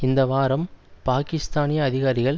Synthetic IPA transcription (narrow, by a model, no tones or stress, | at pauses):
ɪnd̪ɐʋaːɾɐmpaːkɪst̪aːnɪjɐːðɪɣaːɾɪɣɐɭ